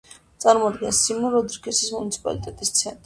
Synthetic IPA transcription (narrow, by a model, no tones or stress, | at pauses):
t̪sʼaɾmɔd̪ɡɛnsimuɾɔd̪ɾkʰɛsismunit̪sʰi̥pʼa̰lit̪ʼɛt̪ʼist̪sʰɛnt̪ʼɾ